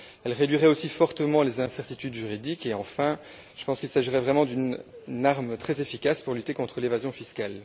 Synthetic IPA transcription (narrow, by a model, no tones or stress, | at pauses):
ɛlʁed̪ɥiʁɛosifɔʁt̪əmɑ̃lezɛ̃sɛʁt̪it̪yd̪ʒyʁid̪ikeɑ̃fɛ̃ | ʒ̥ə̥pɑ̃skilsaʒiʁɛvʁɛmɑ̃d̪ynaʁmt̪χɛzefikaspuʁlyt̪ekɔ̃t̪χəlevazjɔ̃fiskal